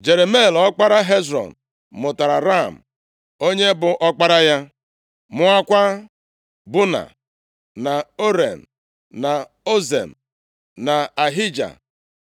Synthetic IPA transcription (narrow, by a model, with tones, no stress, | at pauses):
d͡ʒe˨ɾe˨me˦˨lɔ˦k͡pa˦ɾa˦ɦe˦z̬ɾɔ̰˨n̩˨ | mʊ˨ta˨ɾa˨ɾa˦˨m̩˨ | o˦ɲe˦bʊ˨ʔɔ˦k͡pa˦ɾa˦ja˦ | mʊ˦a˦kʷa˦ | bʊ˦na̰˨ | na˨o˦ɾe˨n̩˨ | na˨ | o˦zḛ˨m̩˨ | na˨a˨ɦi˦d͡ʒa̰˨